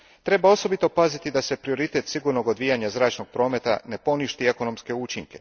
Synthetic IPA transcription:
t̪ɾe̞bao̞so̞bit̪o̞pazit̪id̪ase̞pɾio̞ɾit̪e̞t̪siɡuɾno̞ɡo̞d̪ʋijaɲazɾaːt͡ʃno̞ɡ̚pɾo̞ːme̞t̪a̰ne̞po̞niʃt̪ie̞ko̞no̞mske̞ut͡ʃiŋke̞

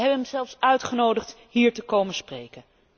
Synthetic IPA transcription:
ɦɛbəɦɛmzɛlˠfsœɥtχənowdəχt | hiːɹtəkowmənsprejkən

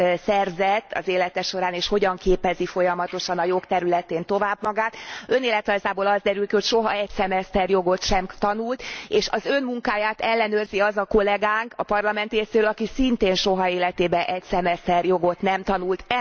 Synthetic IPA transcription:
sɛrzɛt̪ːɒ̰zeːlɛt̪ɛʃo̞ɾaːneːʃho̞ɟɒŋkeːpɛzifo̞jɒmɒt̪o̞ʃɒnɒjo̞kt̪ɛɾylɛt̪eːnt̪o̞vaːbmɒɡaːt̪ø̞neːlɛt̪ɒzaːboːlɒzd̪ɛɾylkiho̞cʃo̞ɦɒɛcsɛmɛst̪ɛrjo̞ɡo̞t̪ʃɛmt̪ɒnult̪eːʃɒzø̞nmuŋkaːjaːt̪ɛlːɛnøːrziɒzɒko̞lɛɡaːŋkɒpɒrlɒmɛnt̪eːseːølɒkisint̪eːnʃo̞ɦɒeːlɛt̪eːbɛʔɛcsɛmɛst̪ɛrjo̞ɡo̞t̪nɛmt̪ɒnult̪

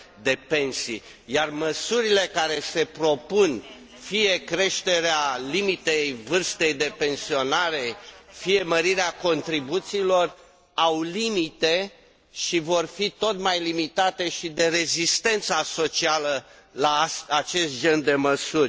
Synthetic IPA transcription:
d̪e̞pe̞nsi | jarməsuɾile̞kaɾe̞se̞pɾo̞pun | fije̞kɾe̞ʃt̪e̞ɾealimit̪ejvɨrst̪e̞jd̪e̞pe̞nsio̞naɾe̞fije̞məɾiɾeako̞nt̪ɾibut̪siːlo̞r | awlimit̪e̞ | ʃivo̞rfit̪o̞t̪majlimit̪at̪e̞ʃid̪e̞ɾe̞zist̪e̞nt̪saso̞t͡ʃialə | lasat͡ʃe̞st̪̚d͡ʒe̞nd̪e̞məsurʲ

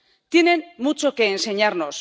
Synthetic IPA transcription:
t̪inenmut͡sokeːnseɲarno̞s

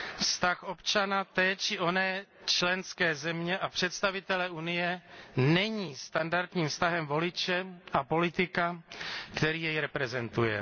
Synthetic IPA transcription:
fst̪axo̞pt͡ʃanat̪ɛːt͡ʃɪʔo̞nɛːt͡ʃlɛnskɛːzɛmɲɛʔapr̥ɛt̪st̪avɪt̪ɛlɛʔunɪjɛnɛɲiːst̪andaɾt̪ɲiːmfst̪aɦɛmvo̞lɪt͡ʃɛʔapo̞lɪt̪ɪkakt̪ɛɾiːjɛjɾɛpɾɛzɛnt̪ujɛ̰

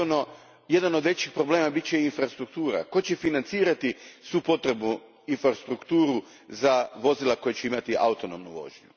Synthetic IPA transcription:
no | je̞d̪anod̪ʋe̞t͡ɕixpɾo̞bleːmabit͡ɕeinfɾast̪ɾukt̪uːɾa̰ko̞t͡ɕefinant̪siːɾat̪isupo̞t̪ɾe̞bnu | infɾast̪ɾukt̪uːɾu | zaʋo̞zilˠako̞jet͡ɕeimat̪iʔa̰ut̪o̞no̞mnuʋo̞̰ʒɲu

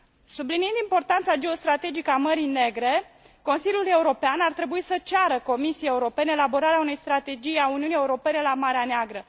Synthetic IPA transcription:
subliniɨnd̪impo̞rt̪ant̪sad͡ʒe̞o̞st̪ɾat̪e̞d͡ʒikəaməɾijne̞ɡɾe̞ | ko̞nsilʲjule̞uɾo̞peanart̪ɾe̞buisət͡ʃaɾəko̞misijee̞uɾo̞pe̞neelabo̞ɾaɾeaune̞jst̪ɾat̪e̞d͡ʒijauniunieuɾo̞pe̞ne̞lamaɾeaneaɡɾə

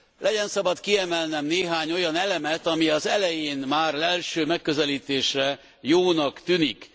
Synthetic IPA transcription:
lʔɛɟɛnsɒbɒt̪kiɛmɛlnɛmneːɦaːɲo̞jɒnɛlɛmɛt̪ɒmiɒzɛlɛjeːnmaːrɛlʃøːmɛkːøzɛliːt̪eːʃrɛ | joːnɒkt̪ynik

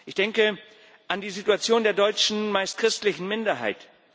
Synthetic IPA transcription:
ʔɪçd̥ɛŋkə | ʔandiːzituat͡sjoːndeːɐdɔʏt͡ʃn̩maɪst̚kʁ̥ɪstlɪçn̩mɪndɐɦa̰ɪt

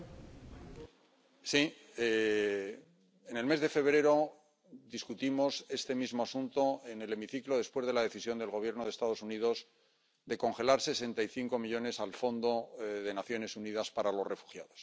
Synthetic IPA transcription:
si | e | ene̞lme̞zðe̞fe̞βɾe̞ɾo̞ | d̪iskut̪imo̞se̞st̪e̞mizmo̞asunt̪o̞ene̞le̞miθiklo̞ð̞e̞spwe̞zð̞e̞laðe̞θisjo̞nd̪e̞lɣo̞β̞je̞ɾno̞ð̞est̪að̞o̞sunið̞o̞z | d̪e̞ko̞ŋxe̞laɾse̞se̞nt̪ajθiŋko̞miʎo̞ne̞salfo̞nd̪o̞ðe̞naθjo̞ne̞suniðaspaɾalo̞re̞fu̥xja̰ð̞o̞s

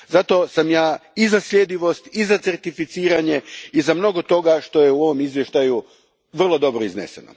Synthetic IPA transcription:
zat̪o̞samjaːizasʎʲjed̪iʋo̞st̪izat̪se̞rt̪ifit̪siːɾaɲe̞izamno̞ɡo̞t̪o̞ɡaʃt̪o̞jeuo̞ʋo̞mizʋje̞ʃt̪aju | ʋr̩lˠo̞d̪o̞bɾoiznḛsḛno̰

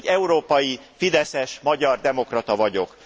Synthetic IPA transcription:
ɟɛuɾoːpɒjifid̪ɛsɛʃmɒɟɒrd̪ɛmo̞krɒt̪ɒvɒɟo̞k

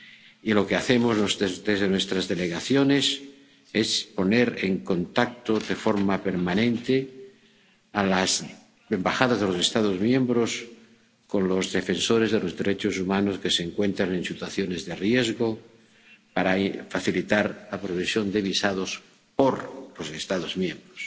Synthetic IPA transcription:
ilo̞keaθe̞moznesed̪ezðenwe̞st̪ɾazðe̞le̞ɣaθjo̞ne̞s | e̞spo̞ne̞ɾeŋko̞nt̪ak̚t̪oðe̞fo̞ɾmape̞ɾmanẽnt̪e | alaz | embaxaðazð̞elo̞se̞st̪aðo̞zmjẽ̞mbɾo̞s | ko̞nlo̞zðe̞fe̞nso̞ɾe̞zðe̞lo̞zðe̞ɾe̞t͡ʃo̞sumano̞ske̞se̞ŋkwe̞nt̪ɾanensit̪waθjo̞ne̞zðe̞rje̞zɣo̞ | paɾafaθilit̪aɾlapɾoβesjo̞nd̪e̞βisað̞o̞s | po̞ɾlo̞se̞st̪aðo̞zmjẽ̞mbɾos

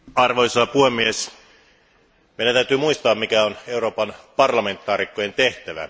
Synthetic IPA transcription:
ɑrʋojsɑpuhemːies | meˑidænt̪æyt̪yːmuist̪ɑːmmikæone̞uɾoːpɑnpɑrlɑme̞nt̪ːˑɑːrikːoje̞nt̪eht̪æʋæ̰

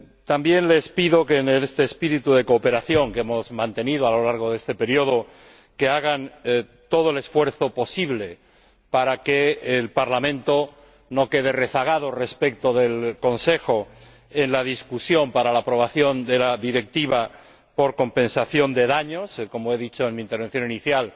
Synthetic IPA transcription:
t̪ambje̞nle̞spiðo̞kenelest̪eːspiɾit̪uðe̞ko̞ːpe̞ɾaθjo̞ŋkeemo̞zmãnt̪e̞niðoalo̞laɾɣ̞o̞ðe̞st̪epe̞ɾjo̞ð̞o̞ | ke̞aɣan | t̪o̞ð̞oe̞le̞sfwe̞ɾθo̞po̞siβle̞ | paɾake̞ːlpaɾlamẽnt̪o̞ | no̞ke̞ð̞e̞re̞θaɣ̞að̞o̞re̞spek̚t̪o̞ðe̞lko̞nse̞xo̞ | e̞nlað̞iskusjo̞mpaɾalaːpɾo̞β̞aθjo̞nd̪e̞laðiɾe̞k̚t̪iβa | po̞ɾko̞mpẽ̞nsaθjo̞nd̪e̞ðaɲo̞sko̞moe̞ðit͡ʃoenmĩːnt̪eɾβe̞n̟θjo̞niniθjal

